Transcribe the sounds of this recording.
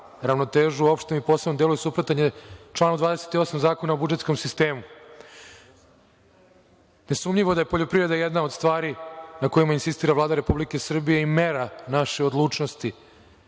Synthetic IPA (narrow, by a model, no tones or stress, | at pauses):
ɾavno̞t̪eːʒuo̞pʃt̪emipoːsebnod̪elujusupɾot̪aɲet͡ʃlˠaːnud̪vaːd̪eset̪io̞samzaːko̞naobud͡ʒe̞t̪sko̞msist̪e̞ːmu | ne̞sumʎiʋo̞d̪aje̞po̞ʎo̞pɾivɾe̞d̪ajed̪nao̞d̪st̪ʋaːɾinako̞jimainsist̪iːɾavlˠaːd̪aɾepublike̞sr̩bije̞imeɾanaʃeod̪lˠuːt͡ʂno̞st̪i